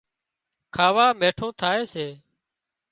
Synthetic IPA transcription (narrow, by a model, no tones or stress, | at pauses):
kʰaːʋaːmeːʈʰõːt̪ʰaːeːseː